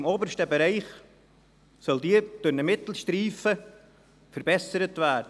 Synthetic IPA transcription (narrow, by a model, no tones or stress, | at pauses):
ɪmoːbəɾʃtəbeɾæɪχ | sœldiːəd̥ønəmɪtl̩ʃtɾiːfə | fəɾbɛsəɾətvæːɾdə